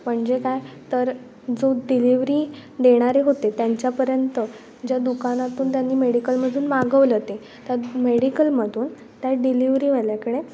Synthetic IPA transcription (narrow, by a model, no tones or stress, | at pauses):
m̤əɳd͡zekajt̪əɾ | d͡zoɖiliʋɾiːd̪eɽ̃aɾeɦot̪et̪jaɲt͡ɕjapəɾjənt̪ə | d͡ʑjad̪ukanat̪uːnt̪janːiːmeɽikəlməd̪ʱuːnmaɡəʋlət̪e | t̪əɾmeɽikəlməd̪ʱuːn | t̪jaɖiliʋɾiːʋəljakəɽ̃e